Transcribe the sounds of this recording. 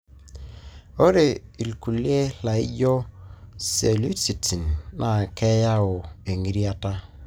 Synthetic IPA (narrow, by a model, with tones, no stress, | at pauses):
o˦ɾe˨i˨lku˨li˦e˦la˨i˦d͡ʒɔ˦se˨lu˦si˨tʰi˨nːa˨kʰɛ˦ja˦o˨e˨ŋi˦ɾi˦a˦ta˦